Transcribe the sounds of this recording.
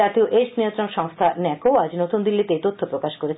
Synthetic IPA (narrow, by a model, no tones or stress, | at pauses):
at̪ioʔeʃnijont̪ɾonʃɔŋst̪ʰanɛkoad͡ʑnot̪und̪ilːit̪eet̪ot̪ʰːopɾokaʃkoɾet͡ɕʰ